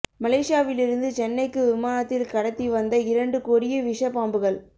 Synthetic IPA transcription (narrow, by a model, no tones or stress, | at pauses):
mɐleːʂɪjaːʋɪlɪɾɯnd̪ɯt͡ʃɛnːɐɪkːɯʋɪmaːnɐt̪ːɪlkɐɽɐt̪ːiʋɐnd̪ɐɪɾɐɳɖɯkɔɾɪjɐʋɪʂɐpaːmbɯɣɐɭ